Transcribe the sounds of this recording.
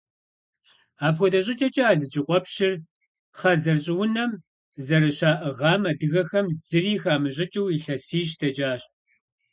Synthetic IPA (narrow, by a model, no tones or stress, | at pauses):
aːpxʷɔdɐɕʼɪt͡ʃʼɐt͡ʃʼɐaːɮɨd͡ʒʼɪqʷɔpʃɪr | χɐzɐrɕʼɪwʊnɐm | zɐrɨɕaːʔɐʁɑːmɐdɨɣɐxɐmzɨriːxaːmɨʑʼɪt͡ʃʼɪwiɬɐsiːɕtʰɐt͡ʃʼaːɕ